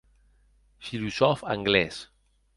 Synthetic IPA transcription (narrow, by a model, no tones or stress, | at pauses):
filuzɔfaŋɡlɛs